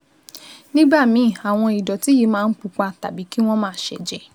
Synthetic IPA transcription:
nĩ˦ɡ͡ba˦˨mĩ˨˦˨a˨w̃ɔ̃˧i˨dɔ˨ti˨˦ji˨˧˦mãː˦˧n̩˦k͡pu˨˧k͡pa˧ta˨bi˨˦ki˦w̃ɔ̃˦mãː˦˨˦ʃɛ˨d͡ʒɛ˨

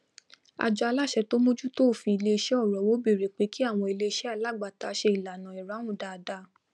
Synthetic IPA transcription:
a̰˧˨d͡ʒɔ˧a˧la˦˨ʃɛ˧to˦mõ˦d͡ʒu˦to˦˨fĩ˧i˧le˧ʃɛ˦ɔ˦˨ɾɔ˨˦wo˨˦be˦˨ɾe˨k͡pe˨˦ki˦a˦˨w̃ɔ̃˧i˧le˧ʃɛ˦a˦˧˨la˦˨ɡ͡ba˨ta˨˧˦ʃe˧i˨la˨nã˨i˨ɾa˨˦ũ˦˨da˨˧da˧˦

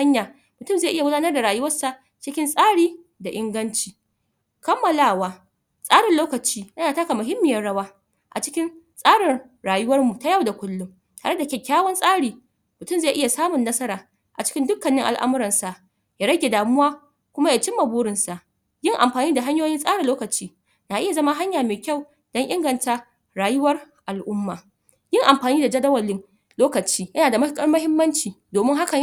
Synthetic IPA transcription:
a˦ɲjaː˨ | mʊ˨tʊ˦˨mza˦˨ʔɪ˦ja˨ɡʷʊ˦daː˦nɐ˦rda˨ɾaː˨jʊ˦wɐ˦rsa˨ʔ | t͡ʃɪ˦kʲɪ˦nsʼaː˦ɽiː˨ | da˨ʔɪ˦ŋɡɐ˦nt͡ʃiː˨ | kɐ˦mːɐ˨laː˦˨waː˦ | sʼaː˦ɽɪ˨nloː˦kɐ˨t͡ʃiː˦jɐ˦naː˨ta˦ka˨mʊ˨ɦɪ˦mːɪ˨jɐ˦ɽɐ˦waː˦ | ʔa̰˨t͡ʃɪ˦kʲɪ˦nsʼaː˦ɽɪ˨r | ɽaː˨jʊ˦wɐ˦rmu˨ta˦ja˦˨wda˨kʷʊ˦lːʊ˦m | taː˨ɽe˦da˨kʲɛ˨kʲːaː˦wɔ˦nsʼaː˦ɽiː˨ | mʊ˨tʊ˦˨mze˦˨ʔɪ˦ja˨saː˦mʊ˨nːɐ˦sɐ˦ɾaː˨ | ʔa˨t͡ʃɪ̥˦kʲɪ˦ndʊ˦kːɐ˨nːɪ˦ŋʔa̰˨lʔa̰˦mʊ˦ɾɐ˨nsa˨ʔ | jaː˦ɽɐ˦ɡʲe˨daː˨mʊ˦waː˦ | kʷʊ˦ma˦ja˨t͡ʃɪ˦mːa˨buː˦ɽɪ˨nsa˨ʔ | jɪ˦ŋʔa˨mɸaː˨niː˦da˨ɦa˦ɲjoː˦jɪ˦nsʼaː˦ɽɪ˨nloː˦kɐ˨t͡ʃiː˦ | naː˨ʔɪ˦ja˨zɐ˦ma˦ɦa˦ɲjaː˨meː˨kʲa˦˨w | d̥ɔ˦ŋʔɪ˦ŋɡɐ˨nta˨ | ɽaː˨jʊ˦wɐ˦r | ʔa˨lʔʊ˦mːaː˨ | jɪ˦ŋʔa˨mɸaː˨niː˦da˨d͡ʒɐ˦dɐ˦wɐ˨lɪ˦ŋ | loː˦kɐ˨t͡ʃiː˦jɐ˦naː˨da˨mɐ˦kʼɐ˦rmɐ˦ɦɪ˦mːɐ˦nt͡ʃiː˨doː˨mɪ˦ŋɦa˦kɐ˨

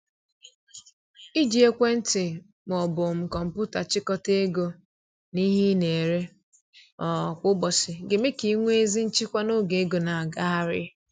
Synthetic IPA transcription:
i˦d͡ʒi˨˦e˦kʷe˦n̩˦tɪ˨ | m˨ɔ˨bʊ˨m̩˨kɔ˨m̩˨pʊ˦ta˨t͡ʃɪ˦kɔ˦te˦ɡo˦ | ni˦ɦi˦ne˨ɾe˦ | ɔ˨kʷʊ˦ɡ͡bɔ˨sɪ˨ɡe˨me˦ki˨˦ŋʷ˦e˦zi˦n̩˦t͡ʃi˦kʷa˦no˦ɡe˨e˦ɡo˨na˨a˨ɡa˦ɦa˦ɾɪ˦

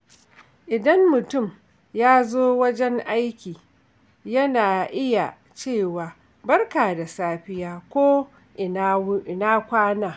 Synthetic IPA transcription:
ʔɪ˨dɐ˦mːʊ˨tʊ˦˨m | jaː˦zoː˦wɐ˦d͡ʒɛ˦ŋʔa˦jkʲiː˨ | jɐ˦naː˨ʔɪ˦ja˨ | t͡ʃeː˦˨waː˨ | bɐ˦rkaː˨da˨saː˦ɸɪ˦jaː˦kʷoː˦ | ʔʔɪ˨naː˦kʷaː˦naː˨

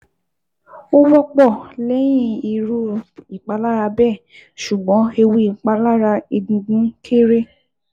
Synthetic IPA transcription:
o˦wɔ˦k͡pɔ˦˨lɛ˨˦j̃ĩ˦˨i˨ɾu˧˦i˨k͡pa˨˧˦la˦ɾa˧bɛ˦˨ | ʃu˨ɡ͡bɔ̃˨˦e˧wi˧˦i˨k͡pa˧la˦ɾa˧e˧dĩ˧ɡĩ˨˦kʰe˦ɾe˦˨

